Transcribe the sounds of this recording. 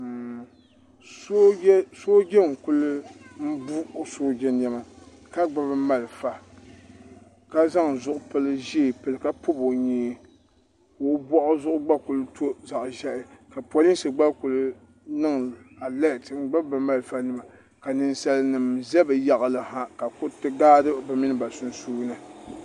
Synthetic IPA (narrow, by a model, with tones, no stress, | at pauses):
so˦so˦ɡʲɛ˦ŋ̩˨ku˦lɨ˦m̩˦bu˦o˦soː˦ɡɛ˦n˦ɛ˦ma˨ | ka˦ɡ͡ba˨bɨ˦ma˨lfa˨ | ka˦za˦ŋ˨zʊ˦ʔʊ˦pɨ˦lɨ˦ʒi˦˨pɨ˨lɨ˨ka˦po˦bo˨ɲeː˦ | o˨˦bɔ˦ʔʊ˦zʊ˦ʔʊ˦ɡ͡ba˦ku˨lʊ˦tʰo˦za˨ʔʒɛ˦ʔɪ˦ka˨pʷa˨li˦sɨ˨ɡ͡ba˦ku˨lʊ˦ | nɨ˦ŋ˨a˨lɛ˦˨tm̩˦ɡ͡ba˦bɨ˨ma˦lfa˦nɨ˨ma˨ | ka˨nɨ˨nsa˨lnɨ˨mzɛ˦bɨ˨ja˦ʔa˨lɨ˨ha˦ka˨kʊ˦tɨ˦ɡaː˦dɨ˦ba˨mi˦nɨ˦ba˨sʊ˨n˦suː˦nɨ˨